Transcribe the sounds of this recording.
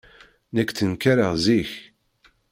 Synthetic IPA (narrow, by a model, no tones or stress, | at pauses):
nækːθənkaɾəʁziç